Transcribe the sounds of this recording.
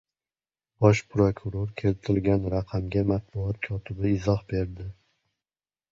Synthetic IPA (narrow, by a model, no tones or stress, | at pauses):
b̥ɒʃpʰɾokʰuɾoɾkʲʰe̞lt̪ʰɪlɡʲanɾaqʰɑmɡʲamat̪̚bʊɒt̪̚kʲʰɒt̪ʰɪbɪɪzɒhbe̞ɾd̪ɪ